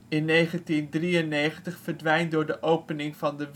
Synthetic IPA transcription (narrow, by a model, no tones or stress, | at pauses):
ɪnːejχəntindriənːejχəntəχfəɹdʋɛjntdʊːɹdəʔowpənɪŋvɑndəʋ